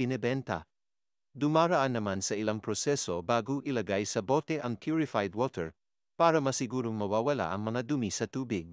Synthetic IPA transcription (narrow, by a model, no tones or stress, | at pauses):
ɪnɛbɛnt̪ɐ̰ | d̪ʊmaɾɐʔanːɐmansɐɪlaŋpɹosɛsobaːɡoʔɪlɐɡajsɐbot̪ɛʔɐŋkʰjuɹɪfajd̪wɔt̪ʰɛɹ | paːɾɐmɐsɪɡuːɾoŋmɐwawɐla̰ʔɐŋmɐŋad̪ʊmisɐt̪uːbɪɡ̚